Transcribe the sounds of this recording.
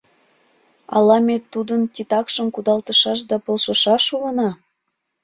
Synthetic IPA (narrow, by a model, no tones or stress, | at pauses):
ɑ̰lɑmet̪ːud̪ənt̪ʲit̪ɑkʃəmkud̪ɑlt̪əʃɑʃ̬d̪ɑpolʃə̆ʃɑʃulənɑ